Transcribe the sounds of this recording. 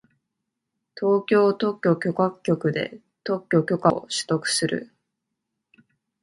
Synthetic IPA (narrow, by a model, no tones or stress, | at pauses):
t̪o̞ːkʲo̞ːt̪o̞kʲːo̞kʲo̞kakʲːo̞kɯ̟d̪e̞̰ | t̪o̞kʲːo̞kʲo̞kaoɕɨ̥t̪o̞kɯ̟̥sɨɾɯ̰